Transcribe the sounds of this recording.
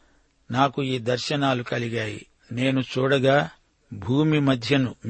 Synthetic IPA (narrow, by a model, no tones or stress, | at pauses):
naːkuiːd̪ɐɾʃɐnaːlukɐliɡaːjḭ | ne̞ːnut͡ʃuːɽɐɡaː | bʱuːmimɐd̪ʱjɐnum